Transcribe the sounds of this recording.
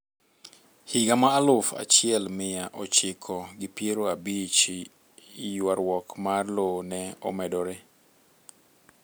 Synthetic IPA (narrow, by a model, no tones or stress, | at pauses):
hiɡamaːlʊfa̰t͡ʃɪɛlmɪjaʔɔt͡ʃɪkʰɔɡɪpjeɾoabit͡ʃː | jwaɾwɔkmarlonɛɔ̰mɛdɔɾe